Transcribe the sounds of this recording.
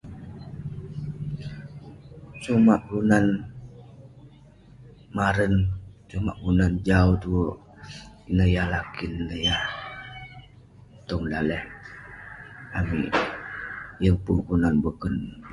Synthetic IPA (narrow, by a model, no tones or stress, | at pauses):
sumaʔɡunan | maɾənsuma̰ʔɡunand͡ʒaut̪uʔ | inəjahlakinnəjah | t̪ɔŋdalɛh | amḭ | jəŋpukunanbokən